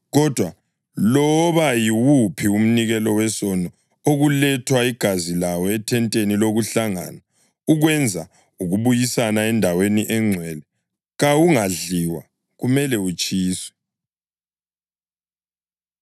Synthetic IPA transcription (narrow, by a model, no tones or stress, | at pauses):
ɣɔd̥ʱwa | lɔβajiwupʰium̩niɣɛlɔwɛsɔnɔ | oɣulɛtʰwaiɡ̥ʱazilawɔɛtʰɛntʼeniloɣuɬaŋa̰na | uɣwɛnd͡zʱa | uɣuβujisanaɛndʱaweniʔɛŋ͡ǀʱwɛlɛ | ɣawuŋaɮiwa̰ | ɣumɛlɛut͡ʃʼiːswɛ̥